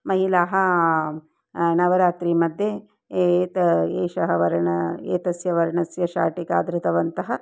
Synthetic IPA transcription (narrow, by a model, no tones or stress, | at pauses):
mɐɦilaːɦɐ | nɐʋɐɾaːt̪ɾiːmɐd̪ʱjeː | t̪ɐeːʃɐɦɐʋɐɾɐɳɐḛːt̪ɐsjɐʋɐɾɐɳɐsjɐʃa̰ːʈika̰ːd̪ɾɨt̪ɐʋɐnt̪ɐɦɐ